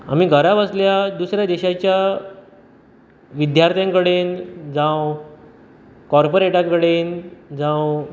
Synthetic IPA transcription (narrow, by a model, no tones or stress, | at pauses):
a̰m̤iːɡʱəɾabəsljad̪usɾjad̪eɕat͡ɕja | ʋid̪jaɾt̪ʰjãŋkəɽend͡zãw | kɔɾpoɾeʈãŋkəɽend͡zãw